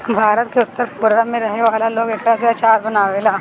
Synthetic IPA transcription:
bʱaːɾət̪̚keʊt̪ːəɾbʊɾɾamẽɾɐɦeʋaːlaloːɡekɾas̬eɐt͡ʃaːɾbɐnaːʋeːlaː

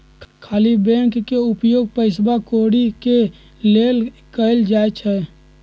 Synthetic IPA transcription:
kʰaːlibɛ̃ŋkkeupjoːɡ̚pəɪsbakoɽike | lel | kəɪld͡ʒajt͡ʃʰɛ

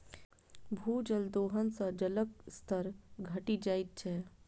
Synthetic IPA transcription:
bʱuːd͡ʒəld̪oːɦənsə̃d͡ʒələkst̪ʰəɾɡʱəʈid͡ʒaːit̪̚t͡ʃʰɛ

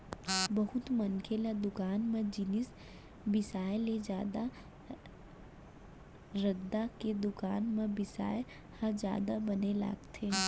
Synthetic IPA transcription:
bɐɦʊt̪mɐ̃nkʰelad̪ʊkaːnmẽd͡ʒɪnɪs | bɪsaːjled͡ʒjaːd̪a | ɾɐd̪aked̪ʊkaːnmẽbɪsa̰ːe | hɐd͡ʒja̰ːd̪abɐnela̰ːɡt̪ʰeː

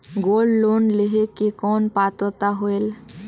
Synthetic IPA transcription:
ɡolːonleɦekekɔnpat̪ət̪aɦoel

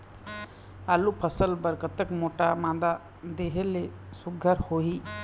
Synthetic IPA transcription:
alupʰəsəlpəɾkət̪əkmoʈamãːd̪a | d̪eɦelesʊɡʱːəɾhoɦi

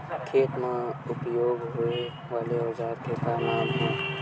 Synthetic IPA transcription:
kʰeːt̪mãʊpjoːɡɦʊe | ʋaːleɦəd͡ʒaːɾkepaːnaːnɦɛ̃ː

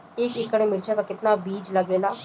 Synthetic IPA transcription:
eːkɪkəɽ̃emɪɾt͡ʃʰakakɪt̪nabiːd͡ʒlɐɡeːlaː

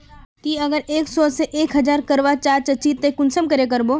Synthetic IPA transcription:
kiɐɡəɾeːksɔːseʔeːkɦɐd͡ʒaːɾkɐɾʋat͡ʃaːɾt͡ʃɐt͡ʃiːt̪ːekʊnsəmkəɾek̬ɐɾboː

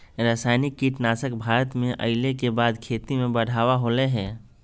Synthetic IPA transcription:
ɾaːsaːɪnikːiʈnaːsəkbʱaːɾət̪mẽʔə̰ɪlekebaːd̪kʰeːt̪imẽbəɽ̤ʱaːʋaɦoːleɦɛ̃ː

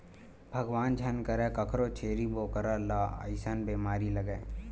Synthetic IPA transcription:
bʱɐɡʋaːnd͡ʒʱɐnkəɾekəkʰɾot͡ʃʰeːɾiboːkəɾalaə̰ɪsanbeːmaːɾiləɡeː

